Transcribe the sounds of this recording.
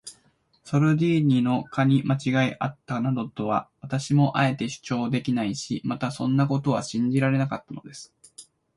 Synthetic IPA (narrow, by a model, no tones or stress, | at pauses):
so̞ɾɯ̟d̪ʲiːɲ̟ino̞kaɲ̟imat͡ɕiɡaiʔat̪ːanad̪o̞t̪o̞βa̰βat̪aɕimo̞ʔae̞t̪e̞ɕɨ̥t͡ɕo̞ːd̪e̞kʲinaiɕimat̪asõ̞nːako̞t̪o̞β̞a̰ɕĩɲ̟d͡ʑiɾaɾe̞nakat̪ːano̞d̪e̞sɨ̥